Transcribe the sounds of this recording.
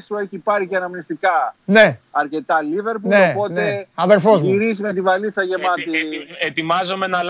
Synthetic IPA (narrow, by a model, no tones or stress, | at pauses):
st̪ue̞çipɐɾiceɐnɐmnist̪ikɐneɐɾce̞t̪ɐlive̞ɾpuopo̞t̪e̞ɐðeɾfoziɾizimet̪̬ivɐliθɐʝe̞mɐt̪iet̪imɐzome̞nɐl